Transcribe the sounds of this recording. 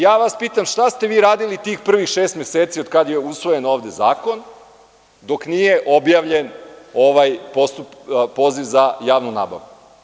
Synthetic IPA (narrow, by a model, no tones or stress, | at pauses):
jaːʋaspiːt̪amʃt̪ast̪e̞ʋiːɾaːd̪ilit̪iːxpr̩ʋixʃeːst̪mjeseːt̪siod̪̥̚kad̪je̞usʋo̞je̞no̞ːʋd̪e̞za̰ːko̞n | d̪o̞knije̞ʔo̞bjaːʋʎe̞no̞ʋajpo̞st̪uppo̞ːziʋzajaːʋnuna̰ːba̰ʋɡu